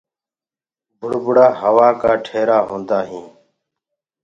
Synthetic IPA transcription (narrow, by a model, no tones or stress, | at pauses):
bʱʊɽbʱʊɽaːɦəʋaːkaːʈʰeːɾaːɦõːnd̪aːɦĩː